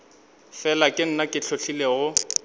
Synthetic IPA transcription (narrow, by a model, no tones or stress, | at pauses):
fɛlakʼɪn̩nakʼɪɬʰoɬʰileɣʊ